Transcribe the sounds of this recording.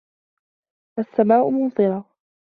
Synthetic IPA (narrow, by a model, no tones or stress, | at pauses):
ʔasːamaːʔʊmʊnðˤɨɾɑː